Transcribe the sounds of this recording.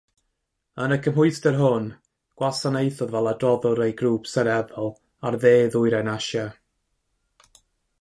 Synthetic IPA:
ənəkʰəmɦʊɨstərɦʊn | ɡ̥wasanejθɔðvɛlˠadrɔðʊɾejɡruːpsəɾɛðɔlˠ | arðeːðʊɨɾanaʃa

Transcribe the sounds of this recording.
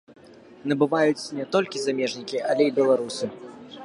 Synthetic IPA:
nɐbɨvajut͡sʲnʲɛt̪ɔlʲkʲizamʲɛʐnʲikʲiʔɐlʲɛibʲɛlˠaɾusɨ

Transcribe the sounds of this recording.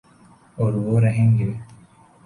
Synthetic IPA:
oɾuʋoːɾɐɦeŋɡee

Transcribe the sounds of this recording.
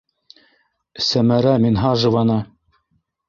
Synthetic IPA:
sæmæɾæminɦɑʒɤ̆vɑnɑ

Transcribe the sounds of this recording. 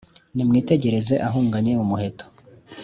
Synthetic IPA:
nimŋiːte̞ɟe̞ɾe̞ze̞ʔaɦuːŋɡaɲe̞umuɦe̞to̥

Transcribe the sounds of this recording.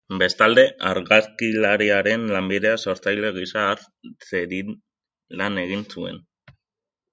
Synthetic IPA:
be̞st̪ald̪e̞ʔaɾɣaskilaɾiaɾe̞nlambiðe̞aso̞ɾt͡sajle̞ɣ̞isaːɾ | t͡seɾi | lane̞ɣ̞insue̞̰n

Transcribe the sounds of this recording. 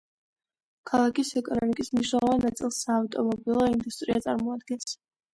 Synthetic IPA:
kʰalˠakisɛkʼɔnɔmikʼismniʃ̬nɛlˠɔvanːat̪sʼilˠsaːft̪ʼɔmɔbilˠɔind̪ust̪ʼɾiat̪sʼaɾmɔad̪̚ɡɛns

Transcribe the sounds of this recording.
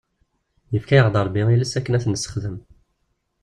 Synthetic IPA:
jəfkæjəʁd̪ˤəɾˤbiiləsækːənæθnəsːə̥χðəm

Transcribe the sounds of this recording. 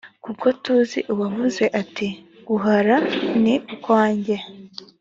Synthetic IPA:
kuko̞tuzḭʔuwavuze̞ʔati | ɡ̥uɦaɾaniukwaːɲɟe

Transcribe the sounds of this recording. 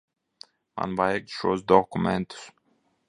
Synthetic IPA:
mã̰nbajɛk̚ʃo̰zd̪ɔkumɛ̃nt̪s

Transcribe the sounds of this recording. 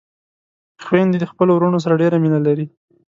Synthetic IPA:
xwand̪id̪əxpəlowɾuɳos̬aɾaɖeɾaminalaɾi

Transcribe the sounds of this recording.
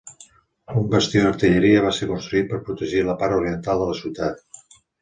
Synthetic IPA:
umbəst̪inəɾt̪əʎəɾiəβ̞aseɾkunst̪ɾuit̪̚pəɾpɾut̪əʒiləpaɾuɾiənt̪alˠd̪ələsiwt̪at̪

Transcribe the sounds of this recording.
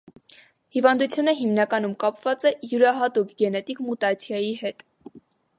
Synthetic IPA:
hivɑnd̪ut͡sʰjunəɦimnɑkɑnumkɑpvɑt͡sɛjuɾɑɦɑt̪ukɡɛnɛt̪ikmut̪ɑt͡sʰjɑjihɛt̪

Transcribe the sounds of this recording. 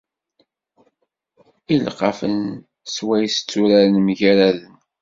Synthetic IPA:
ilqɑfə̰n | swæjst͡sːuɾaɾənmʝæɾælən

